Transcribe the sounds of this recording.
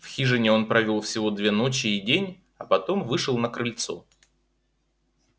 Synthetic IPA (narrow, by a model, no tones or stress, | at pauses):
fxʲiʐɨnʲɪo̞npɾɐvʲolˠfsʲɪvo̞d̪vʲe̞no̞t͡ɕɪːdʲenʲ | ɐpɐt̪o̞mvɨʂɨlˠnəkɾɨlʲt̪so̞̰